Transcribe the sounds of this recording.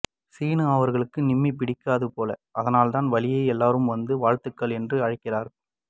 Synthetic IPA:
siːnɯaːʋɐɾɣɐɭɯkːɯnɪmːipɪɽɪkːaːðɯpoːlɐ̰ʔɐðɐnaːlt̪aːnʋɐlɪjɐɪɛlːaːɾɯmʋɐnd̪ɯʋaːɻt̪ɯkːɐɭɛndrɯɐɻɪkːɪraːɾɐ

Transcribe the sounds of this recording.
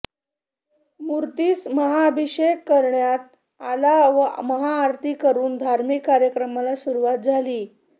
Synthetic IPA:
muɾt̪iːsməɦaəbʱiɕekːəɾɳjat̪̚ | alaʋəməɦaːɾt̪ʰiːkəɾuːnd̪ʱaɾmikːaɾjəkɾəmalasuɾuʋat̪̚d͡zʱaliː

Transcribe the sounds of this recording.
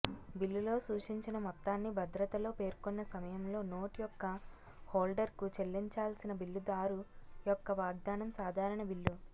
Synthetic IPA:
bilːulo̞ːsuːʂiɲt͡ʃinɐmɔt̪ːaːnːibʱɐd̪ɾɐt̪ɐlo̞ːpe̞ːɾkonːɐsɐmɐjɐmlo̞ːno̞ːʈijɔkːɐ | hoːlɖɐɾkut͡ʃe̞lːiɲt͡ʃaːlsinɐbilːud̪aːɾujɔkːɐʋaːɡ̚d̪aːnɐmsaːd̪ʱaːɾɐɳɐbilːu

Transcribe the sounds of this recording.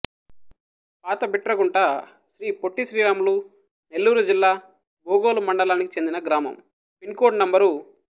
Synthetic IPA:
paːt̪ɐbiʈːɾɐkuɳʈaː | ʃɾiːpoʈːisɾiːɾaːmulu | ne̞lːuːɾud͡ʒilːaː | boːɡoːlumɐɳɖɐlaːnikit͡ʃe̞nd̪inɐɡɾaːmɐ̰m | pinkoːʈnɐmbɐɾu

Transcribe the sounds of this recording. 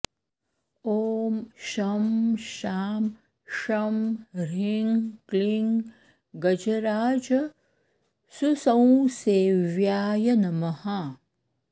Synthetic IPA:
oːmʃɐmʃaːm | ʃɐmɾiŋkliŋ | ɡɐd͡ʒɐɾaːd͡ʒɐ | susɐ̃w̃seːʋjaːjɐnɐmɐha

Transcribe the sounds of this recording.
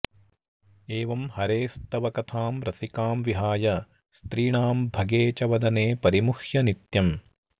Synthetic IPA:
eːʋɐmhɐɾeːst̪ɐʋɐkɐt̪ʰaːmɾɐsikaːmʋiɦaːjɐ | st̪ɾiːɳaːmbʱɐɡeːt͡ʃɐʋɐd̪ɐneːpɐɾimuxjɐnit̪jɐm

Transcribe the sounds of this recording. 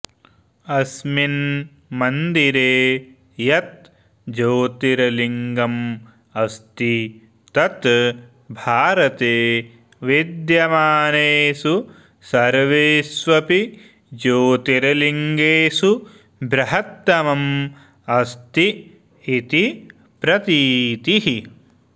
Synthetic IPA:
ɐsmin | mɐnd̪iɾeː | jɐt̪̚ | d͡ʒoːt̪iɾɐliŋɡɐm | ɐst̪i | t̪ɐt̪ | bʱaːɾɐt̪eː | ʋid̪jɐmaːneːsu | sɐɾʋeːsʋɐpi | d͡ʒoːt̪iɾɐliŋɡeːsu | bɾɐɦɐt̪ːɐmɐm | ɐst̪i | it̪i | pɾɐt̪iːt̪iɦi

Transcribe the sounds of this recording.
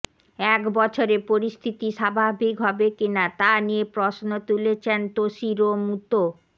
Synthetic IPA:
ɛkbɔt͡ɕʰoɾepoɾist̪ʰit̪iʃabʱabʱikɦɔbekinat̪anijepɾosnot̪ulet͡ɕʰent̪oʃiɾomut̪o

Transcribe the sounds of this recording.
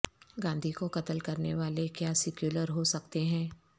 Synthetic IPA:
ɡãːnd̪ʱikokɐt̪əlkɐɾneʋaːlekjaːsɪkjuːləɾɦosɐk̚t̪eɦɛ̃ː

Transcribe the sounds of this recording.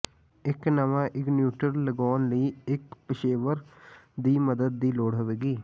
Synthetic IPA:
ɪknəʋãːʔɪknjuːʈəɾləɡɔːnləiːɪkpɪʃeːʋəɾd̪iːməd̪əd̪̚ːiːloːɽɦʊʋeːɡiː

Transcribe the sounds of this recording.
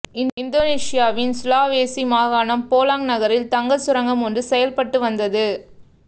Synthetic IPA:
ɪnɪnd̪oːneːsɪjaːʋɪnsʊlaːʋeːsimaːɣaːnɐmpoːlaːŋnɐɣɐɾɪlt̪ɐŋɡɐsʊɾɐŋɡɐmɔnrɯsɛjɐlpɐʈːɯʋɐnd̪ɐðɯ

